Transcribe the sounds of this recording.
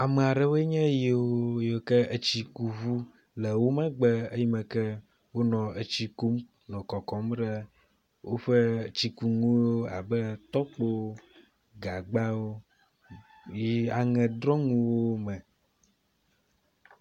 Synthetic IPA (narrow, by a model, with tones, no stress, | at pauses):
a˨me˨a˨ɖɛ˦wo˦ɲɛ̃˦ji˨wo˦jo˨kɛ˦ə˨t͡ɕi˦ku˨vu˦ | lɛ˨wo˦mɛ̃˦ɡ͡bɛ˦ə˦ji˦mɛ̃˨kɛ˦ | wo˦nɔ̃˨e˨t͡ɕi˦ku˦m | nɔ̃˨kɔ˨kɔ˨mɖɛ˦ | wʔo˦ɸə˦˨t͡ɕi˨ku˨ŋũ˦o˦a̰˨bɛ˦t̪ɔ˦k͡po˦ | ɡa˨ɡ͡ba˦wo˦ | ji˦a˨ŋɛ̃˨d̪ɾɔ̃˦ŋũ˦wo˦mɛ̃˨